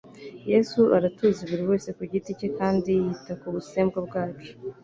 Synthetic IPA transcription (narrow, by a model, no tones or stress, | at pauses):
je̞suʔaɾatuziβuɾiwe̞ːse̞kuɟiticekaːndijitakuβuseːmbɡobɡaːt͡ʃi̥